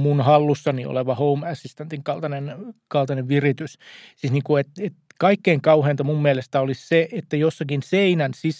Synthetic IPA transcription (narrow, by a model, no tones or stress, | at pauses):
munhɑlːusːɑnio̰leʋɑhoumæsːist̪ent̪iŋkɑlt̪ɑnenkɑlt̪ɑneʋʋirit̪yssiːsniːŋkuet̪et̪kɑikːeiŋkɑuheːnt̪ɑmumːmielest̪æolisseet̪ːæjosːɑkinseinænsis